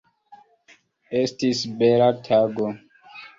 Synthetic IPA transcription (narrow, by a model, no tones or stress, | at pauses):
estisbelatʰaɡo